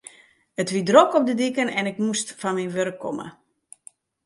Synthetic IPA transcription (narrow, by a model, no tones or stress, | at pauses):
ətʋidrokɔp̚dədikənɛnɪkmustfanminʋørəkʰːɔ̰mə̰